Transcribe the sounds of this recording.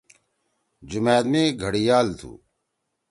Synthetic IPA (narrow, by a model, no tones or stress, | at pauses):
d͡ʑumɛːd̪mẽːɡʱɐɽijaːlt̪ʰṵː